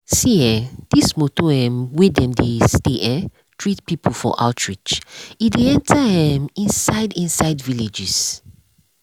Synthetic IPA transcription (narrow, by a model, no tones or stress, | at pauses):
siɛd̥ismotoɛ̃mwedɛ̃mdesteʔɛ̃ | tʰɹitpipʰulfɔ̰ʔa̰ʊtʰɹit͡ʃideɛ̃ntʰahɛ̃mĩnsaɪdĩnsaɪdvilid͡ʒis